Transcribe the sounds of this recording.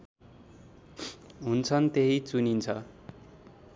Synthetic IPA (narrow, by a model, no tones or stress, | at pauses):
ɦunt͡sʰʌnt̪eɦit͡sunint͡sʰʌ